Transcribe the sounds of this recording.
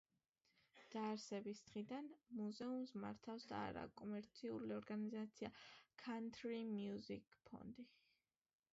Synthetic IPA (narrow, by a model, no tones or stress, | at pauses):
d̪̥aːɾsɛbisd̪̥ʁid̪anmuzɛumsma̰ɾt̪ʰafsd̪a̰ːɾa̰kʼɔmɛɾt̪sʰiṵliɔɾɡanizat̪sʰiakʰant̪ʰɾimjuzikʼpʰɔ̰nd̪i